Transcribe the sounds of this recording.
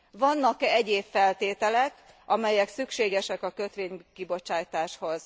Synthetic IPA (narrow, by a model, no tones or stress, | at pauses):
vɒnːɒkɛɟeːpfɛlt̪eːt̪ɛlɛk | ʔɒmɛjɛksykʃeːɡɛʃɛkɒkø̞t̪ʋeːɲkibo̞t͡ʃaːjt̪aːʃho̞z̥